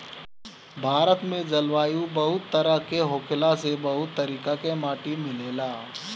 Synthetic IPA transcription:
bʱaːɾət̪mẽd͡ʒɐlʋaːjũbɐɦʊt̪ːəɾəɦkeɦoːkʰɪlasebɐɦʊt̪ːəɾiːkakemaːʈimɪleːlaː

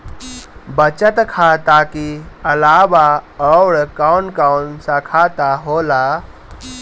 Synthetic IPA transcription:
bət͡ʃət̪kʰat̪akiəlaːbaɔwɽkawnkawnsãkʰat̪aɦoːla

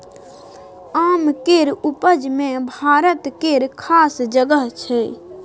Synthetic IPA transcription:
amkeɾupəd͡ʒmẽbʱaɾət̪keɾkʰasd͡ʒəɡəɦt͡ʃʰɛ

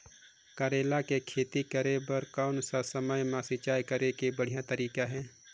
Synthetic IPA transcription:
kaːɾeːlakekʰeːt̪ikəɾebəɾkaːnsasəməjmãsɪt͡ʃaːjkəɾekebəɽ̤ijãt̪əɾiːkaɦɛ̃ː

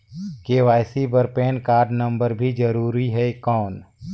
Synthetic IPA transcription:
keːʋaːɪsibəɾpeːnkaːɾɖnə̃mbəɾbʱid͡ʒəɾuːɾiɦɛkɔːn

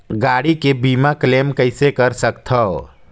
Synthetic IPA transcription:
ɡaːɽikebiːmakleːmkəɪsekəɾsəkt̪ʰɔ

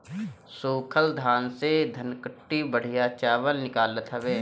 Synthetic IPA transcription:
soːkʰəld̪ʱaːnsed̪ʱənkəʈːibəɽ̤ɪjat͡ʃaːʋəlnɪkaːlət̪ɦəʋeː

